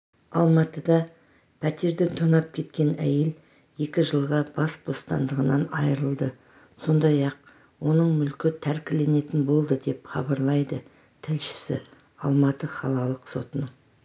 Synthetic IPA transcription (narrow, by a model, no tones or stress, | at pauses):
ɑ̰lˠmɑt̪əd̪ɑ | pʰæt̪e̞ɾd̪ɪt̪ʰonɑp̚kʲʰe̞t̪kʲe̞næje̞l | je̞kʲɪʒəlˠʁɑbɑsb̥o̞st̪ɑ̰nd̪əʁənɑnɑjɾəlˠd̪ə | so̞nd̪ɑjɑq̚ | wo̞nəɴmʏlkʲɪt̪ʰæɾkʲɪle̞ne̞t̪ɪnbo̞lˠd̪əd̪e̞pχɑ̰bɑɾlˠɑjd̪ə | t̪ʰɪlʃɪ̥sɪ̰ | ɑlˠmɑt̪əχɑlˠɑlˠəqso̞t̪ənə